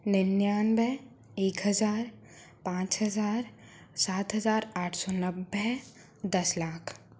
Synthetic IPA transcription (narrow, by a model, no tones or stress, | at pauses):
nɪnjaːnbʱɛ | eːkɦɐzaːɾ | pãːt͡ʃɦɐzaːɾ | saːt̪ɦɐzaːɾaːʈʰsɔːnɐbːɛ | d̪ɐslaːkʰ